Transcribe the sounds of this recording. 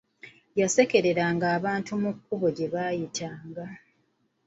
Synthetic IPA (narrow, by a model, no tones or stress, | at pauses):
jase̞ke̞ɾe̞ɾaːŋɡaːβaːntumukːuβo̞ɟe̞βaːjitʰaːŋɡa